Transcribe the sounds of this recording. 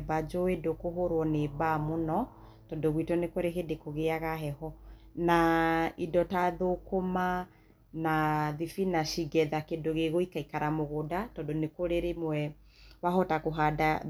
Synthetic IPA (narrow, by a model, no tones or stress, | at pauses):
bad͡ʒɔwedokoɦoɾwɔnebamonɔ | tɔdoɣwitɔnekoɾeɦedekoɣeaɣaɦɛhɔ | naidɔtaðokoma | naðifinaʃiɡɛðakedoɣeɣoikaikaɾamoɣodatɔdonekoɾeɾemwɛ | waɦɔtakoɦada